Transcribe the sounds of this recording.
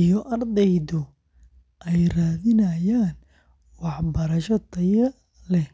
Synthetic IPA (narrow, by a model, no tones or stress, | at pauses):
ijɔʔɐrd̪ɛjðʊ | ʔɛjraːðɪnɐjaːn | wɑħbɐɾɐʃɔt̪ʰɐjɐ | lɛ